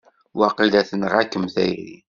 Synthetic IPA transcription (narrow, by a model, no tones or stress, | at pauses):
wɑqilæθənʁækːəmθæjɾḭ